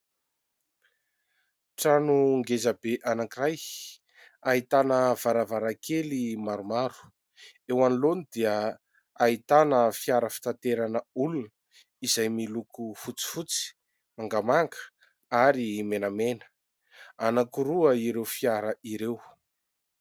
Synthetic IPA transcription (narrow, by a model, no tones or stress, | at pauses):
ʈ͡ʂanuŋɡezabeʔanakiraj | aɦit̪anəv̥aɾavaɾakelimaɾumaɾu̥ | ewanilonid̪iə | ait̪anəfiaɾəfi̥t̪ant̪eɾanəulunə | izajmilukufut͡si̥fut͡si̥ | maŋɡamaŋɡə̥ | aɾimenamenə̥ | anakuɾuəiɾewfiaɾəʔiɾew